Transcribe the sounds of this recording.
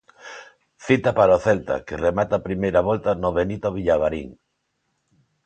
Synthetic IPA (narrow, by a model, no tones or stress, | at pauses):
θit̪apaɾaoθelt̪a̰keremat̪apɾimejɾaβɔlt̪anoβenit̪oβ̞iʎaβaɾḭŋ